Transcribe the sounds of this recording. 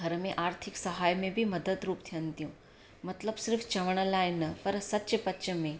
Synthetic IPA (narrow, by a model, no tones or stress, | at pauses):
ɐɾmẽʔaːɾt̪ʰɪksɐɦaːjmẽbʱimɐd̪əd̪ɾuːpt̪ʰijə̃nt̪ijũː | mɐt̪ləbsɪɾfʰt͡ʃɐʋəɽ̃laːɪnɐpɐɾsɐtːʃpɐtːt͡ʃəmẽ